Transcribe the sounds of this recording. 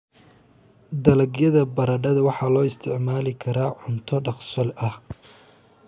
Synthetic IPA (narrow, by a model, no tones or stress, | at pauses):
d̪ɐlɐɡjɐðɐbɐɾɐɖɐðɐwɑħɑːlɔːɪst̪ʰɪʕmaːlɪkʰɐɾaːʕʊnt̪ʰɔɖɑχsɔlɐh